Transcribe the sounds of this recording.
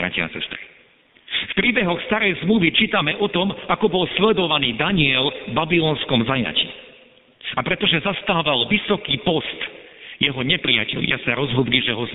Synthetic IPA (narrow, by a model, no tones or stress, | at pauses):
ɾa̰cia̰sɛ̰st̪ɾi | fpɾiːbɛɦɔxst̪aɾɛjzmluʋit͡ʃiːt̪amɛʔɔt̪ɔmakɔbɔlslɛd̪ɔʋaniːd̪aɲiɛlbabilɔːnskɔmzaja̰cḭː | apɾɛt̪ɔʒɛzast̪aːʋalʋisɔkiːpɔst̪jɛɦɔɲɛpɾija̰cɛ̰ʎɪasaɾɔzɦɔd̪liʒɛɦɔ